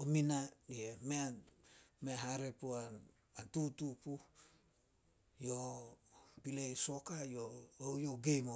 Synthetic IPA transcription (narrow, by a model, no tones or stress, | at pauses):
ominaiemea | meɦaɾepuan | antutupu | jo | pilejsokajoowjoɡejmo